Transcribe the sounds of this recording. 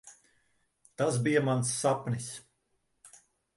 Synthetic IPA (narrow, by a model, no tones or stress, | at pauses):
t̪asbijɐmansːapnis